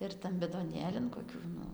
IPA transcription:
ɪr ˈtɐm bʲɪdoːˈnʲeːlʲɪn koːˈkʲuː nʊ

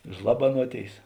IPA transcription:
ˈʒlˠɑːbɐnuɔˌtʲeːɪs

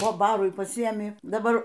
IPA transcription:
poː ˈbɑːrʊɪ pɐˈsʲɪeːmʲɪ dɐˈbɐr

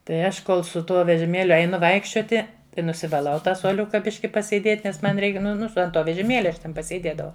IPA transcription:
tɐɪ ˈɐʃ ˈkoːlˠ sʊ ˈtuɔ ʋʲɛʒʲɪˈmʲeːlʲʊ ɛɪˈnʊ ˈʋɐɪkʃʲt͡ʃʲoːtʲɪ tɐɪ nʊsʲɪʋɐˈlˠɐʊ ˈtɑː suɔˈlʲʊkɐ ˈbʲɪʃʲkʲɪ pɐsʲeːˈdʲeːtʲ nʲɛs ˈmɐn ˈrʲɛɪk ˈnʊ ˈnʊ ɐnt ˈtoː ʋʲɛʒʲɪˈmʲeːlʲɛ ɐʃ ˈtʲɛn pɐsʲeːˈdʲeːdɐʋɐʊ

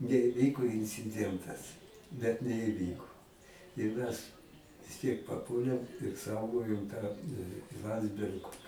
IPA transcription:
nʲɛɪˈʋʲiːkoː ɪnʲt͡sʲɪˈdʲiɛntɐs bʲɛt nʲɛɪˈʋʲiːkoː ɪr mʲɛs ʋʲɪs ˈtʲiɛk pɐˈpuɔlʲeːm ɪr ˈsɐʊɡoːjʊm tɑː ˈlˠɐnʲdʲzʲbʲɛrk

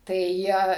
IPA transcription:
tɐɪ ˈjiɛ

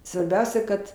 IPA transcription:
sʋɐrʲˈbʲɛʊsʲɛ kɐt

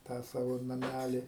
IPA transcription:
ˈtɑː ˈsɑːʋoː nɐˈmʲælʲɪ

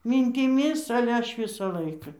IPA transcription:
mʲiːnʲtʲɪˈmʲɪs ɐlʲɛ ˈɐʃ ˈʋʲɪsɐ ˈlˠɐɪkɐ

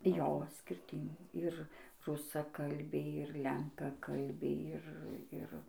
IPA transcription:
ˈjoː sʲkʲɪrʲˈtʲɪn ɪr rʊsɐˈkɐlʲbʲɛɪ ɪr ˈlʲɛŋkɐkɐlʲbʲɛɪ ˈɪr ˈɪr

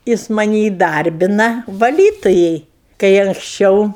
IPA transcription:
ˈjɪs mɐˈnʲɪ iːˈdɐrʲbʲɪnɐ ʋɐˈlʲiːtʊjɛɪ kɐɪ ɐŋksʲˈt͡ʃʲɛʊ

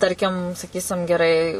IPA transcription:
ˈtɐrʲkʲɪm sɐˈkʲiːsʲɪm ɡʲɛˈrɐɪ

